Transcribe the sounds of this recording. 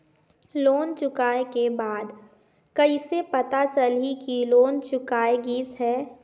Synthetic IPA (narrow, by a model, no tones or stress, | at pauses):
loːnt͡ʃʊkaːekebaːd̪ | kəisepɐt̪at͡ʃəlikiloːnt͡ʃʊkaːeɡiːsɦɛː